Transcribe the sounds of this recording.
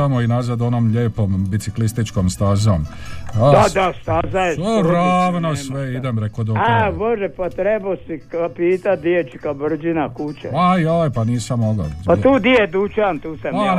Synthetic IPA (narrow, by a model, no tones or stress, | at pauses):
amoinazad̪onomʎeːpombit̪siklist̪it͡ʃkomst̪azomad̪ad̪ast̪azaeoɾaːʋnosʋeid̪emɾekod̪oaboʒepat̪ɾebosikapiːt̪at̪̚d̪iet͡ʃi̥kabr̩d͡ʒinakut͡ʃeajojpaniːsamːoɡa̰pat̪uːd̪ied̪ut͡ʃamt̪uːsama